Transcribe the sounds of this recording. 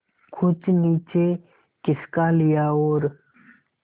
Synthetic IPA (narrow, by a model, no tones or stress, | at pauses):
kʰʊt͡ʃniːt͡ʃeː | kɪskaːlɪjaːoːɾ